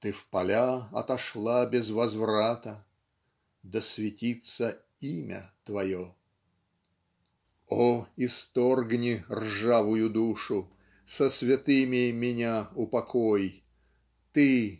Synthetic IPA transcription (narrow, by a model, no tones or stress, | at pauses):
t̪ɨfpɐlʲaɐ̰t̪ɐʂlˠabʲɪzvɐzvɾat̪ə | d̪əsvʲɪtʲit̪sə | imʲə̰t̪vɐjo | oɪst̪orɡnʲɪrʐavʊjʊd̪uʂʊ | səsvʲɪt̪ɨmʲɪmʲɪnʲaʊpɐkʰoj | t̪ɨ